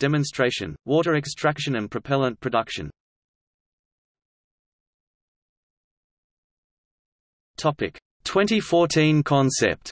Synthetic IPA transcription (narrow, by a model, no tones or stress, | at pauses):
d̥ɛmə̃nstɹ̥eɪʃə̰̃nwɔˑɾəɹɛkstʰɹ̥ækʃə̃nə̃npʰɹ̥əpʰɛlˠə̃npʰɹ̥ədʌkʃə̰̃n | tʰɒpɪ̰k | tʰw̥ɛ̃ntifɔˑtʰĩnkʰɒ̃nsɛ̰p̚t